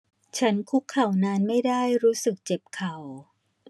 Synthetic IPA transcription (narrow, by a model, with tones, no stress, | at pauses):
t͡ɕʰa˦˥nkʰu˦˥kʰːa˨˩wnaː˧nma˥˩jdaː˥˩jɾuː˦˥sɯ˨˩k̚t͡ɕe˨˩p̚kʰa˨˩w